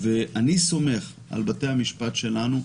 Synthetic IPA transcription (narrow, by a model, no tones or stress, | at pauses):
veaniso̞me̞χ | a̰lbate̞jhamiʃpatʃe̞lanu